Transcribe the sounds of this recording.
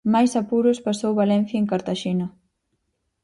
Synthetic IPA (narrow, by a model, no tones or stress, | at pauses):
majsapuɾʊspasowβalɛn̟θjaeŋkaɾt̪aʃinɐ